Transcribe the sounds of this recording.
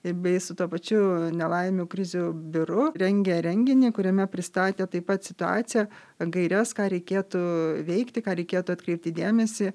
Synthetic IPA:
ɪbʲɛɪsʊt̪uɔpɐt͡ʃʲʊnʲɛlˠɐɪmʲuːkɾʲɪzʲuːbʲɪɾʊɾʲɛŋʲɡʲɛɾʲɛŋʲɡʲɪnʲiːkʊɾʲɛmʲɛpʲɾʲɪst̪ɑːt̪ʲeːt̪ɐɪpɐt̪sʲɪt̪ʊɑ̰ːt̪sʲɪjɛ | ɡɐɪɾʲɛskɑːɾʲɛɪkʲeːt̪uːʋʲɛɪkt̪ʲɪkɑːɾʲɛɪkʲeːt̪ʊɐt̪ʲkɾʲɛɪp̚ʲt̪ʲiːd̪ʲeːmʲɛsʲɪ

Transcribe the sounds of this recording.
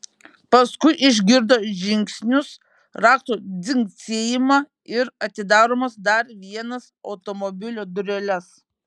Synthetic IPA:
pɐskʊɪʔɪʒʲɡʲɪɾd̪oʒʲɪŋʲksʲnʲʊs | ɾɑːkt̪oːd̪ʲɪŋksʲeːjɪmɑ | ɪɾɐt̪ʲɪd̪ɑːɾoːmɐsd̪ɐɾʋʲiɛnɐsɒʊt̪ɔmɔbʲɪlʲoːd̪ʊɾʲɛlʲɛs

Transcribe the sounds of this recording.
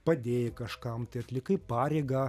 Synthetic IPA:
pɐd̪ʲeːjɪkɐʃkɐmt̪ɐɪɐt̪ʲlʲɪkɐɪpɑːɾʲɛɪɡɑː

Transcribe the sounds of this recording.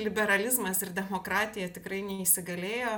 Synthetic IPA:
lʲɪbʲɛɾɐlʲɪzmɐsɪrd̪ʲɛmoːkɾɑːt̪ʲɪjɛt̪ʲɪkɾɐɪnʲɛɪʃʲsʲɪɡɐlʲeːjoː

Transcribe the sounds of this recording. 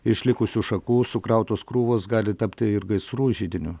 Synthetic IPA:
ɪʃʲlʲɪkʊsʲuʃɐkuːsʊkɾɐʊt̪oːskɾuːʋoːsɡɑːlʲɪt̪ɐpʲt̪ʲɪɪɾɡɐɪsɾuːʒʲiːd̪ʲɪnʲʊ

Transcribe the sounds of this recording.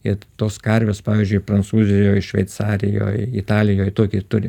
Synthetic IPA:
ɪt̪oːskɐɾʲʋʲeːspɑːʋʲiːzʲd͡ʒʊɪpɾɐnt̪suːzʲɪjoːjɪʃʲʋʲɛ̰ɪt̪sɑːɾʲɪjo̰ːjɪt̪ɑːlʲɪjoːjt̪oːkʲɪt̪ʊɾʲɪ

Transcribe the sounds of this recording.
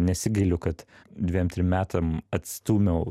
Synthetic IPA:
nʲɛsʲɪɡʲɐɪlʲʊkɐt̪d̪ʲʋʲiːjɛmt̪ʲɾʲɪmmʲæːt̪ɐmɐt̪st̪uːmʲɛʊ

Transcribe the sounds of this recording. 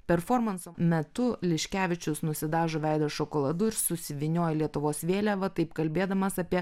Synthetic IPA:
pʲɛɾfoːɾmɐnsoːmʲɛt̪ʊlʲɪʃʲkʲæːʋʲɪt͡ʃʲʊsnʊsʲɪd̪ɑːʒoːʋʲɛɪd̪oːʃokoːlˠɐd̪ʊɪɾsʊsʲɪʋʲɪnʲoːjɛlʲiɛt̪ʊʋoːsʋʲeːlʲæʋɐt̪ɐɪpkɐlʲbʲeːd̪ɐmɐsɐːpʲiɛ

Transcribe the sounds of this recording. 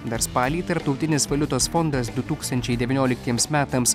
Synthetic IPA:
d̪ɐɾspɑːlʲiːt̪ɐɾpt̪ɐʊt̪ʲɪnʲɪsʋɐlʲʊt̪oːsfɔnd̪ɐs̬d̪ʊt̪uːkst̪ɐnʲt͡ʃʲɛɪd̪ʲɛʋʲɪnʲoːlʲɪk̚t̪ʲiɛmsmʲæːt̪ɐms

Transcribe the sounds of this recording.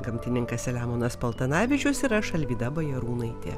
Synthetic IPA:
ɡɐmʲt̪ʲɪnʲɪŋkɐsʲɛlʲæːmoːnɐspɐlˠt̪ɐnɑːʋʲɪt͡ʃʲoːsiɾɐʃɐlʲʋʲiːd̪ɐbɐjɛɾuːnɐɪt̪ʲḛː

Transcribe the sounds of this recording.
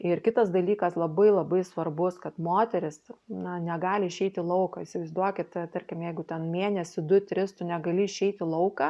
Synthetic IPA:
ɪrkʲɪt̪ɐsd̪ɐlʲiːkɐslˠɐbɐɪlˠɐbɐɪsʋɐrbʊskɐt̪moːt̪ʲɛɾʲɪsnɐnʲɛɡɑːlʲɪɪʃʲɛɪt̪ʲɪlˠɐʊkɐisʲɪʋɐɪzd̪uɔkʲɪt̪t̪ɐɾʲkʲɪmjɛɪɡʊt̪ʲɛnmʲeːnʲɛsʲʊd̪ʊt̪ʲɾʲɪst̪ʊnʲɛɡɐlʲɪɪʃʲɛɪt̪ʲɪlˠɐʊkɑ

